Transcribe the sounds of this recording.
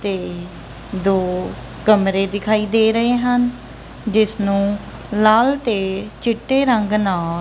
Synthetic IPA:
t̪eː | d̪oː | ɡəmɾeːd̪ɪkʰaːiːd̪eːɾəɦeːɦən | d͡ʒɪsnũː | laːlt̪eːt͡ʃɪʈːeːɾəŋɡnaː

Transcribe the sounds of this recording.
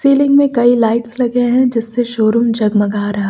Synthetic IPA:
siːlɪ̃ŋɡmẽkɐilaːɪʈslɐɡeɦɛ̃d͡ʒɪsːeʃoːɾʊmd͡ʒɐɡmɐɡʱaːɾɐɦa

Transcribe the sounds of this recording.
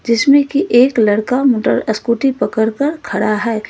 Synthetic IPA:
d͡ʒɪsmẽkiʔeːklɐɽkamoːʈə̰ɾəskuːʈipɐkəɾkəɾkʰɐɽaɦɛː

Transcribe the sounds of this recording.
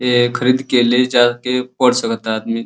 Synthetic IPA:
ekʰəɾiːd̪keled͡ʒakepəɽsəkət̪ad̪mi

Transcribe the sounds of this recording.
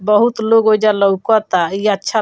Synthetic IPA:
bəɦut̪loɡɦojd͡ʒaləukɔt̪aiətːʃʰa

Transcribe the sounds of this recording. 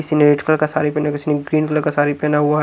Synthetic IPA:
ɪsineɾeːʈkəlkasa̰ːɾipɛːnakɪsineɡɾiːnklkasaːɾipɛːnaɦuaɦ

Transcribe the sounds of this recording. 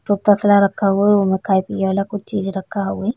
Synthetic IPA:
ʈup̚t̪ɐslaɾɐkʰːaɦueomẽkʰaːjpijeʋaːlakʊt͡ʃʰt͡ʃiːd͡ʒɾɐkʰːaɦue

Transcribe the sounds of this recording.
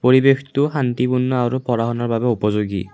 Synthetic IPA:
poɹibekʰt̪uɦant̪ipunːɔaɾupɔɹaɦɔnɔɹbabɛupɔzoɡḭ

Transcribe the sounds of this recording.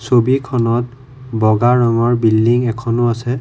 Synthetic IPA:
sobikʰɔnɔt̚ | bɔɡaɹɔŋɔɹbilːiŋɛkʰɔnʊasɛ

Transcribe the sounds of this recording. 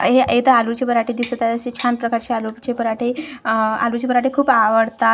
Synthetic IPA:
ɦeet̪əalut͡ɕepəɾaʈʰed̪isət̪at̪əɕit͡ɕʰanpɾəkaɾt͡ɕealut͡ɕepəɾaʈʰe | a̰lut͡ɕepəɾaʈʰekʰuːpaʋəɽt̪a

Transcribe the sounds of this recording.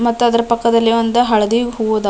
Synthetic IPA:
mɐt̪ːuɐd̪ɐɾɐpɐkːɐd̪ɐlːiɐnd̪ɐɦɐɭɐd̪iɡɦuɡoːd̪a

